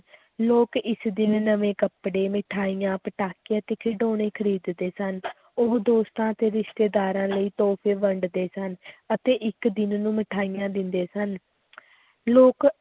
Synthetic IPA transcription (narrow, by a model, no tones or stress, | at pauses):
loːkɪsd̪ɪnnəʋẽːkəpɽeːmɪʈʰaːijãːpəʈaːkiãːt̪eːkʰɪɖoːɽ̃eːkʰəɾiːd̪d̪eːsən | ʊkd̪oːst̪ãːət̪eːɾɪʃt̪eːd̪aːɾãːləiːt̪oːpʰeːʋəɳɖd̪eːsənət̪eːʔɪkd̪ɪnnũːmɪʈʰaːijãːd̪ɪnd̪eːsən | loːk